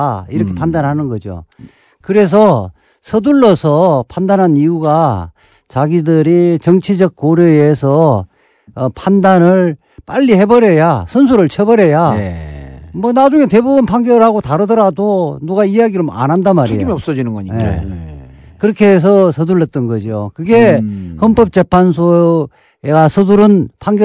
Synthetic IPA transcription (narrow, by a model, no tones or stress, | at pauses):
iɾʌkʰepʰandanhanɯnɡʌd͡ʑo̰ | kɯɾe̞s̬ʰʌ | sʰʌduɭːʌsʰʌpʰandanɦanijuɡa | t͡ɕaɡidɯɾit͡ɕʌŋt͡ɕʰid͡ʑʌk̚k͈oɾjoesʰʌː | pʰandanɯɭ | p͈aʎːihe̞bʌɾe̞jasʰʌns̬ʰuɾɯɭt͡ɕʰebʌɾe̞ja | mʌnad͡ʑuŋete̞bubunpʰaŋɡjʌɯɭhaɡotaɾɯdʌɾadonuɡaiaɡiɾɯɭma̰nɦandamaɾiimiʌp̚s͈ʌd͡ʑinɯnɡʌɲijḛ | kɯɾʌkʰees̬ʰʌsʰʌduɭːʌt̚t͈ʌnɡʌd͡ʑio̰kɯɡe̞hʌnp͈ʌp̚t͡ɕ͈e̞pʰans̬ʰo | eɡasʰʌduɾɯnpʰaŋɡjʌ